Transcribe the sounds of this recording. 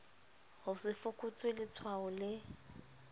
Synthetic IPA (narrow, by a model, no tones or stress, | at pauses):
hʊsɪfʊkʼʊt͡sʼwelɪt͡sʰwaʊlɪ